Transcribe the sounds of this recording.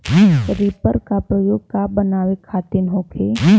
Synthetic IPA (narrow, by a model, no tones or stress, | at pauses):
ɾiːpəɾkapɾəjoːɡkabənaːʋekʰaːt̪ɪnɦoːkʰe